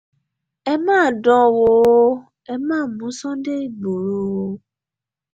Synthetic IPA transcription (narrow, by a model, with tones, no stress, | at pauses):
ɛ˧mãː˦˨dɔ̃˧wo˨˦ | ɛ˧mãː˦˨mũ˨˦sɔ̃˦de˦i˦˨ɡ͡bo˨ɾo˨˦˧